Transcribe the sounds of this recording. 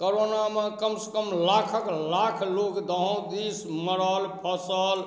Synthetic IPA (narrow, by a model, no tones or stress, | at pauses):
koɾonamẽkəmsə̥kəmlakʰəklakʰlokd̪əɦə̃w̃d̪isməɽəlpʰəsəl